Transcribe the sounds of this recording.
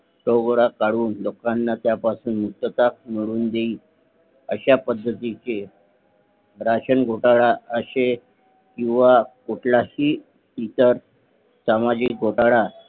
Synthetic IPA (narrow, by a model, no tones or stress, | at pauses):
ʈoɡɽakaɽuːnlokanːat̪japasuːnmuk̚t̪ət̪akmiɽuːnd̪eiː | əɕapəd̪ʱːət̪it͡ɕe | ɾaɕənɡʱoʈaɭaəɕe | kĩw̃ʋakoʈʰlahiː | it̪əɾ | samad͡ʑik̚ɡʱoʈaɭa